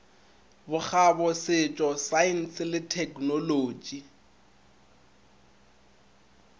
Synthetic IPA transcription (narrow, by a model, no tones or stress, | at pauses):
bʊk͡xʰabɔsɪt͡ʃʼɔsaɪn̩slɪtʰɛkʰʼnoloːd͡ʒʼi